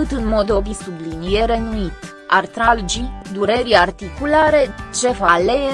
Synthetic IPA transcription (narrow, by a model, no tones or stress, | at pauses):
ɨt̪ɨnmo̞d̪o̞bisublinijeɾe̞nuit̪ | art̪ɾald͡ʒid̪uɾe̞ɾiart̪ikulaɾe̞t͡ʃe̞valee